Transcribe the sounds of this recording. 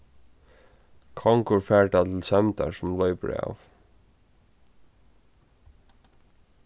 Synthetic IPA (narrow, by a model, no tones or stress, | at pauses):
kʰɔŋkʊɹfæːɹʈat̪ʰɪlsɛmt̪a̰ɹsʊmlɔʏpɹa̰w